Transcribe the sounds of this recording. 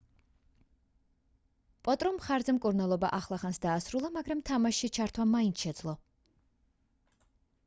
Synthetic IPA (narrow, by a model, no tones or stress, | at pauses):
pʼɔt̪ʼɾɔmχaɾzɛmkʼuɾnalˠɔba̰ʔaχlˠaχansd̪aːsɾulˠamaɡɾamt̪ʰamaʃit͡ʃʰaɾt̪ʰwamainʰʃɛd̪zlˠɔ